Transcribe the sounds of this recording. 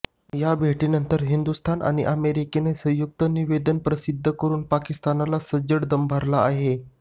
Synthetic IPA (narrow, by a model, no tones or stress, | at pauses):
jabʱeʈiːnənt̪əɾɦind̪ust̪ʰanʔa̰ɽ̃iʔəmeɾikenesə̃juk̚t̪əniʋed̪ənpɾəsid̪ʱːəkəɾuːnpakist̪analasəd͡ʑəɽd̪əmbʱaɾlaːɦe